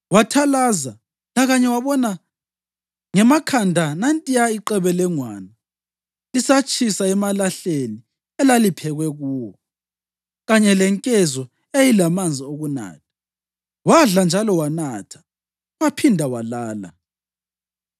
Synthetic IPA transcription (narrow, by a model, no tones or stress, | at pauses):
watʰalaːza | laɣaɲɛwaβɔna | ŋɛmakʰandʱanantʼijaiǃɛβɛlɛŋwaːna | isat͡ʃʼʰisaɛmalaɬeni | ɛlalipʰɛɣwɛɣuːwɔ | ɣaɲɛlɛŋkʼɛzɔ | ejilamand͡zʱioɣuna̰ːtʰḁ | waɮand͡ʒʱalɔwanaːtʰḁ | wapʰindʱawalaːla̰